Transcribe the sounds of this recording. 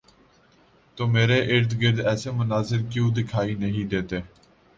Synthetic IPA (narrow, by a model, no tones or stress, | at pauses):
t̪oːmeːɾeːʔɪɾt̪ɡɪɾd̪ɛːseːmʊnaːzəɾkjũːd̪ɪkʰaːiːnəɦĩːd̪eːt̪eː